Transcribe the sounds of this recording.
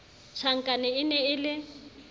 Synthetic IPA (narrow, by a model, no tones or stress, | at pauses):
t͡ʃʰaŋ̩kʼanɪɪnɛɪlɪ